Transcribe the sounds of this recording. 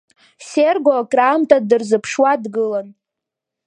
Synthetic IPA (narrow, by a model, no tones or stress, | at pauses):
serɡokʼraːmtʼadɨrzɨpʰʂwadɡɨlan